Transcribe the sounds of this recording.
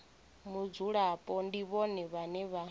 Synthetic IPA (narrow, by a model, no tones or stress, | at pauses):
mud͡zuɺapʼɔndiβɔnɛβanɛβa